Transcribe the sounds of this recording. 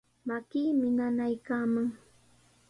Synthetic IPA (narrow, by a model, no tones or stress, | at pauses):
makiːmɪnanajkaːmaŋ